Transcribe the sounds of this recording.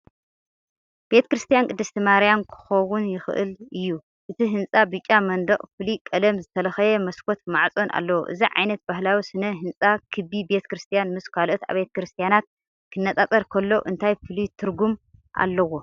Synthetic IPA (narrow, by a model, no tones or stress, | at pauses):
b̥e̞t̪ʰɐ̥kɾɨst̪ʰijankʼɨd̪ːɨst̪ʰimaɾjamkʰɨ̥xɐwunjɪxɨ̰ʔɨ̰lɨjːu | ʔɨt̪ʰiɦɨnt͡sʼabɨt͡ʃʼːamɐnd̪ɐχʼfɨlikʼɐlɐmzɨt̪ʰɐlɐxɐjɛmɐskʰo̞t̪maʕt͡sʼo̞nʔa̰lːɐwo̰ʔɨziʕa̰jnɐt̪̚bahlawisɨnɐɦɨnt͡sʼakʰɨbibe̞t̪ʰɐ̥kɾɨst̪ʰijanmɨskʰalʔot̪a̰βet̪ʰɐ̥kɾɨst̪ʰijanat̪̚ | kʰɨnːɐt͡s̪ʼat͡sʼɐɾkʰɐlːo̞ʔɨnt̪ʰajfɨlit̪ʰɨɾɡumʔa̰lːɐwo̞